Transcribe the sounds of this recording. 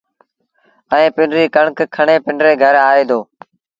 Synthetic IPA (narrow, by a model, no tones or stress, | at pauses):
ɛ̃ːpɪɳɖɾiːkəɳkkʰəɳeːpɪɳɖɾeːɡʱəɾaːeːd̪ʱoː